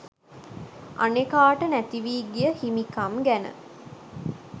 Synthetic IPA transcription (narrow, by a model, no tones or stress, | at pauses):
ʔa̰nekaːʈənæt̪iʋiːɡijəhimikamɡænə̰